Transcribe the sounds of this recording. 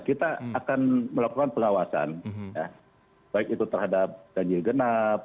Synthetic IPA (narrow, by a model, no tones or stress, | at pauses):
kit̪aːkanməlakukanpəŋawasa̰nja | b̥aɪkit̪ut̪ərhadap̚ɡ̥aɲd͡ʒɪlɡənap̚